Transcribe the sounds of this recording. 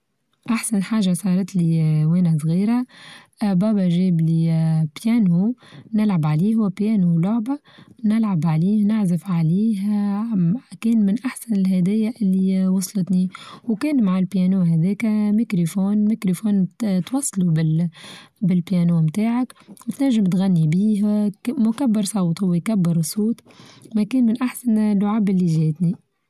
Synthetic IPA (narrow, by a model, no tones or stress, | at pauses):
ʔaħsanħaːʒasˤɑːɾˤɑt̪liwæːnas̬ˤɣiːɾa | bɑːbaʒeːblipjæːnhunɪlʕabʕaliːɦʊwpjæːnulʊʕba | nɪlʕabʕaliːhnɪʕzɪfʕaliːh | kɛːnmɪnʔaħsanɪlɦɛd̪ɪjːaʔɪlːiwɑsˤlət̪niwkɛːnmaʕalpjænuːɦæd̪ɛːkmikɾofoːnmikɾofoːnt̪wɑsˤːlubɪ | bɪlpjæːnuːmt̪aːʕakwɪt̪næʒːɪmt̪ɣanːibiːhmʊkabːɪɾsˤɑwt̪ˤhʊwɪjkabːɪɾsˤuːt̪ˤmækɛːnmɪnʔaħsanlːʊʕaːbʔɪlːiʒɛːt̪ni